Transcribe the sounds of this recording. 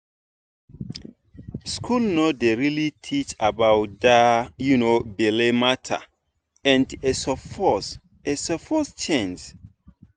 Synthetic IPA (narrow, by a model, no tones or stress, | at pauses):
skʰulnodeɹilitʰit͡ʃabawt̚dajunobilematʰa̰ | ɛ̃ndesɔfɔs | esɔfɔst͡ʃẽns